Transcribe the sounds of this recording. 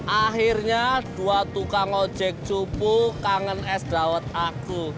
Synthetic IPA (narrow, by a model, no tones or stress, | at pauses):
ʔaxirɲaɖ̥uat̪ukaŋɔ̥d͡ʒ̥ɛk̚t͡ʃupukaŋənɛsd̥a̤wət̪̚aku